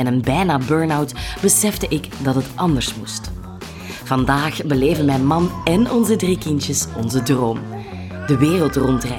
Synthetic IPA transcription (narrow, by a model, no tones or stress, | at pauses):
ɛnənbɛjnaːbøːɹnawtb̥əsɛvdəʔɪkdɑtɦətɑndəɹsmust | v̥ɑndaːxbəleːvənmɛjnmɑnɛnɔnzədrikɪntjəsɔnzədroːm | d̥əʋeːrəlˠtrɔntrɛ